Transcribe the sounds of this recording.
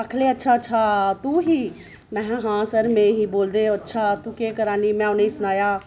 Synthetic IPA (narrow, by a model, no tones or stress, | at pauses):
əkʰleɐtːʃʰatːʃʰat̪uɦiː | mɛ̃ːɦãːsəɾmẽɦiboːld̪eoətːʃʰat̪ukeːkəɾaːnimɛ̃ʊneisʊnaːjaː